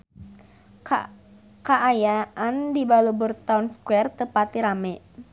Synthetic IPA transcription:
kaʔːjaʔandibalubərt̪aunskwɛrt̪əpat̪iɾamɛʔ

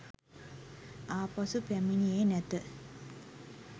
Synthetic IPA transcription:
aːpasupæminieːnɛt̪ə

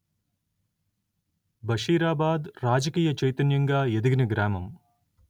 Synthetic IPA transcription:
bɐʂiːɾaːbaːd̪ɾaːd͡ʒɐkiːjɐt͡ʃɐjt̪ɐnjɐŋɡaːjed̪iɡnɐɡɾaːmɐm

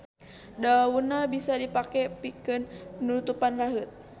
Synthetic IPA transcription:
daunabisadipakɛpikɨnpənut̪upanraɦət̪̚

